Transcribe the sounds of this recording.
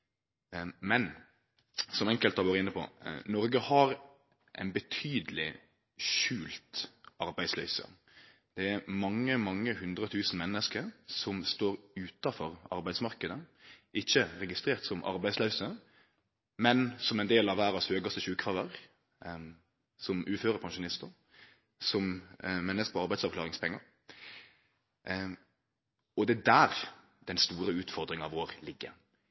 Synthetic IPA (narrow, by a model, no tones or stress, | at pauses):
mɛn | sɔmɛŋkəlt̪ɑʋoːɾəɪnːəpʰɔ̰nɔɾɡəhɑɾ | ʔæ̰ɪnbət̪ʰyːd̪əlɪ̰ | ʃʉːlt̪ɑɾbæɪd̪slœ̰ʏsə̰ | d̪̥ɛæɾmɑŋːəmɑŋːəhʉnd̪ɾət̪ʰʉːsn̩mɛnːəskəɾsɔmst̪oːɾʉːt̪ɑfɔɾɑ̰ɾbæɪd̪smɑɾkəd̪əɪçːəɾɛɡɪst̪ɾeːʁt̪sɔmʔɑ̰ɾbæɪslœʉsə | mɛnsɔmɛɪnd̪eːlɑʋæːɾɑshøːɡɑst̪əɕʉːkfɑʁəʁ | sɔmʔʉːføːɾəɾpʰɑnʃʊnɪst̪ə | sɔmmɛnːəskəpʰɔɑɾbæɪsɑʋkʰlɑːʁɪŋspʰɛŋːɑɾ | ɔd̪ɛd̪æːɾ | d̪ɛnst̪uːɾəʉːt̪fɔɾd̪ɾɪŋɑʋoːɾlɪɡːə̰